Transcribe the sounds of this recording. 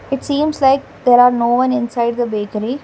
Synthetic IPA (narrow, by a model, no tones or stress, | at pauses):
ɪʈsĩːmslaɪk̚ | d̪ɛɾaːɾnoːʋʌ̃nɪ̃nsaɪɖ̚d̪əbeːkəɾi